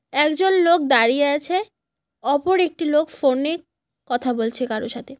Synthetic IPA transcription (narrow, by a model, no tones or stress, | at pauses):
ɛkd͡ʑonlok̚d̪aɾijeat͡ɕʰe | ɔpoɾek̚ʈilokfone | kɔt̪ʰabolt͡ɕʰekaɾoʃat̪ʰe